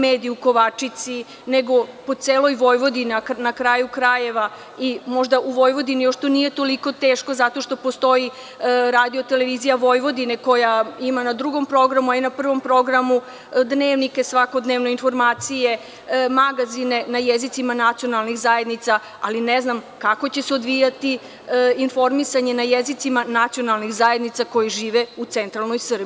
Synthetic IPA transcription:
meːd̪ijuko̞ʋat͡ʂit̪si | neɡo̞po̞t̪seːlˠo̞jʋo̞jʋo̞d̪inanakɾaːjukɾaje̞ʋa | imo̞ʒd̪aʔuʋo̞jʋo̞d̪inijoʃt̪onije̞t̪o̞likot̪eːʃko̞zat̪o̞ʃt̪o̞po̞st̪o̞ji | ɾaːd̪io̞t̪e̞le̞ʋizijaʋo̞jʋo̞d̪ineko̞jaimanad̪ɾuɡo̞mpɾo̞ɡɾamuainapr̩ʋo̞mpɾo̞ɡɾamu | d̪ne̞ːʋnikesʋako̞d̪neːʋno̞info̞ɾmaːt̪sije̞ | maɡazine̞najezit̪simanat̪sijo̞nalnixzaje̞d̪nit̪sa | alineznam | kako̞t͡ɕe̞seo̞d̪ʋijat̪i | info̞ɾmisaɲe̞najezit̪simanat̪sijo̞nalˠnixzaje̞d̪nit̪sako̞jiʒiːʋeut̪se̞nt̪ɾalˠnojsr̩bii

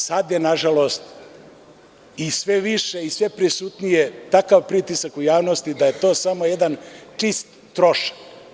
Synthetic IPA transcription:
sad̪jenaʒalo̞st̪ | isʋe̞ʋiʃeisʋe̞pɾisut̪nijet̪akaʋpɾit̪isakujaːʋnost̪id̪aje̞t̪o̞ːsamojed̪ant͡ʂist̪ːɾoʃḁk

